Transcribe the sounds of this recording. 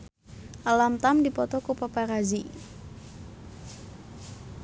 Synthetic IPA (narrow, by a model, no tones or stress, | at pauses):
ʔalamt̪amdipɔt̪ɔkupapaɾazi